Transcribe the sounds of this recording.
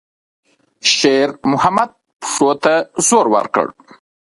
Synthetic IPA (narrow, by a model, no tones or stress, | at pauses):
ʃeɾmʊhamad̪̚ | pʂot̪azoɾwa̰ɾkə̰ɽ